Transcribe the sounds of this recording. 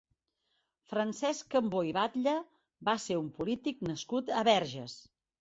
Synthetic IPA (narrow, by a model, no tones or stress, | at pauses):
fɾənsɛskəmboiβat̪ʎə | baseumpulit̪ik̚nəskut̪əβɛɾʒəs